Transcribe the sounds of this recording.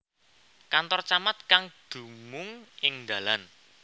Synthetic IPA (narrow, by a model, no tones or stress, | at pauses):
kant̪ɔrt͡ʃamat̪̚kaŋd̪̥ṳmʊŋʔɪŋd̪a̤lan